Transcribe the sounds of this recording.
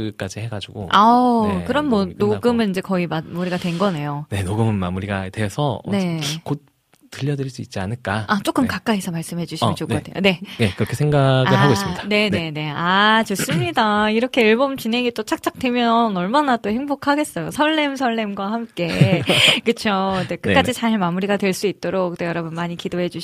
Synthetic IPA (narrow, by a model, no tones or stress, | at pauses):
k͈ad͡ʑihe̞ɡad͡ʑuɡo̰akɯɾʌnmwʌnoɡɯmɯnind͡ʑe̞kʌimamuɾiɡadwe̞nɡʌne̞jone̞noɡɯmɯnma̰muɾiɡa̰dwe̞sʰʌ̰nek͈ot͈ː | ɯʎːʌdɯɾiɭs͈uit̚t͡ɕ͈ia̰nɯɭk͈aat͡ɕ͈ok͈ɯmkak͈aisʰʌmaɭs͈ɯmɦe̞d͡ʑuɕʰimʌnt͡ɕokoatʰejo̰ne̞ne̞kɯɾʌkʰe̞sʰeŋɡaɡɯɭɦaɡois͈mɲi̥dane̞ne̞ne̞at͡ɕos͈ɯmɲidaiɾʌkʰe̞iɭbomt͡ɕinɦe̞ŋit͈ot͡ɕʰak̚t͡ɕ͈ʰak̚t͈we̞mjʌnʌɭmanat͈ohe̞ŋbokʰaɡe̞s͈ʌjosʰʌɭːe̞msʰʌɭːemɡwahamk͈e̞ | kɯt͡ɕʰod͡ʑekɯk͈ad͡ʑit͡ɕaɭmamuɾiɡadwe̞ɭs͈uit̚t͈oɾok̚t͈ojʌɾʌbunmaɲikidoɦe̞d͡ʑuɕ